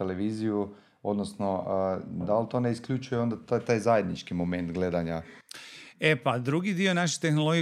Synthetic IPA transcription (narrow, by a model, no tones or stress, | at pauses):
eleʋiːziju | od̪nosno̞ʔəd̪alt̪o̞ːneiskʎʲut͡ʃujeo̞nd̪at̪t̪aːjzaje̞d̪nit͡ʃkimo̞me̞nt̪ɡle̞d̪aɲa | epad̪ɾuɡid̪io̞naʃ̬i̥t̪e̞xnolo̞ɡ